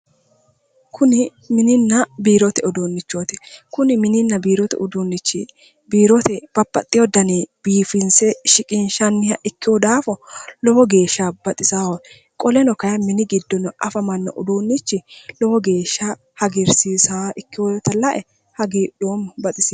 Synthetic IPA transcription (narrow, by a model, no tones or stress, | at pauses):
kʰʊnɪ | mɪnɪnːɐbiːɾɔt̪ɛɔd̪oːnːɪt͡ʃːoːt̪ɛ̥kʊnɪmɪnɪnːɐbiːɾɔt̪ɛ̰ʔʊd̪uːnːɪt͡ʃːɪ | biːɾɔt̪ɛb̥ɐbːɐ̰t̪ʼːɪjɔd̪ɐnib̥iːfɪnsɛʃɪkʼɪnʃɐnːɪjɐʔɪkːɪjɔd̪aːfɔlɔwɔɡe̞ːʃːab̥ɐt̪ʼɪsaːwɔ | kʼɔlɛnɔkɐjɐmɪnɪɡɪd̪ːɔnɔʔɐfɐmɐnːɐ̰ʔʊ̰d̪uːnːɪt͡ʃːɪlɔwɔɡe̞ːʃːa | hɐɡɪɾsiːsaːʔɪkːɪwɔt̪ɐlɐʔɛ | hɐɡiːɗoːmbɐt̪ʼɪsɪ